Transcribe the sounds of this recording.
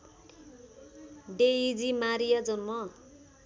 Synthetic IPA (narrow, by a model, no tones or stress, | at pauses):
ɖeid͡zimaɾijad͡zʌnmʌ